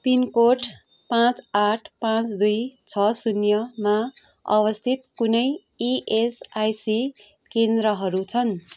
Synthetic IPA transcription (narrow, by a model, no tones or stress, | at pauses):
pinkoʈ | pãt͡saʈʰpãt͡sd̪ujt͡sʰʌsunjʌma | ʌ̰βʌst̪ʰit̪kunʌj | iʔesajsi | kend̪ɾʌɦʌɾut͡sʰʌn